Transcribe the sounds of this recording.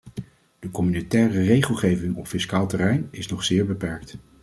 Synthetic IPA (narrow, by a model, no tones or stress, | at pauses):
d̥əkɔmynotɛːrərejχəlˠχejvɪŋɔpfɪskaːlˠtɛrɛjnɪsnɔχsɪːɹbəpɛɹk̚t